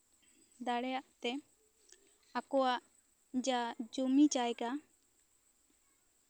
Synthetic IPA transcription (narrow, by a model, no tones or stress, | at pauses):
d̪aɽɛjaʔt̪ɛ | akɔwaʔ | d͡ʒad͡ʒumit͡ʃajka